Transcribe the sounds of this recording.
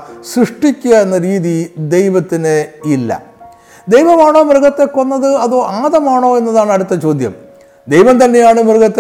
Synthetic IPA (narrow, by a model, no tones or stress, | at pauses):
ɕrɨʂʈikʲːuɣɐenːɐɾiːðid̪e̞jʋɐt̪ːineilːɐ̰ | d̪ejʋɐmaːɳo̞ːmrɨɡɐt̪ːe̞kːo̞nːɐðɨɐðoːʔaːðɐmaːɳo̞ːe̞nːɐðaːɳɐɽut̪ːɐt͡ɕo̞ːd̪ʱjɐ̰m | d̪ejʋɐmt̪ɐnːe̞jaːɳɨmrɡɐt̪ː